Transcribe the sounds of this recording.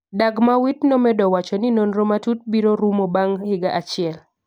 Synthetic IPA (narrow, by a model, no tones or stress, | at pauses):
daɡmawitnɔmɛdɔwat͡ʃɔnɪnonɾomatut̚biɾoɾumobaŋhɪɡaʔat͡ʃɪɛl